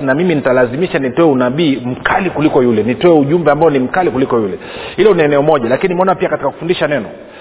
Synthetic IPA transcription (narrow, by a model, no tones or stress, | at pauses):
namiminitalazimiʃanitɔɛunaɓiːm̩kʰalikulikɔjulɛnitɔɛuʄumbɛambaɔnim̩kalikulikɔjulɛ | hilɔnaɛnɛɔmɔʄalakinimɛɔnapiakatikaku̥fundiʃanɛnɔ